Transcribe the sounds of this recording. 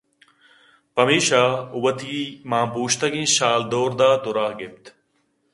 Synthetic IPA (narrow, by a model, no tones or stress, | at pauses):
pɐmiːʃaːʊbət̪iːmãːpuːʃt̪ɐɡẽːʃaːld̪oːɾd̪aːt̪ʊɾaːɡɪp̚t̪